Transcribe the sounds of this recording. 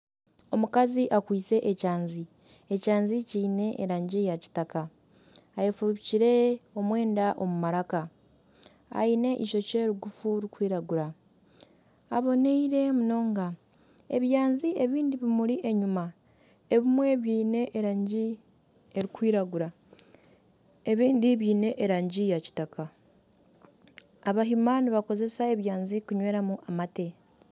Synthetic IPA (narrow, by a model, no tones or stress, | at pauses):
o̞mukaziʔakwiːt͡se̞ʔecaːnzi | ecaːnziciːne̞ʔeɾaːɲɟijaci̥takaː | jefuβiciɾe̞o̞mwe̞ːndaʔo̞mumaɾaka | a̰ine̞ʔiʃo̞ce̞ɾuɡufuɾikwiːɾaɡuɾa | aβo̞neiɾe̞muno̞ːŋɡa | eβjaːnziʔe̞βiːndiβimuɾiʔe̞ɲuma | e̞βimwe̞βiːne̞ʔi | eɾikwiːɾaɡuɾa | e̞βiːndiβiːne̞ʔːɾaːɲɟijaci̥takʰa | aβaɦimaniβako̞ze̞sae̞βjaːnzikuɲwe̞ːɾamuʔamate̞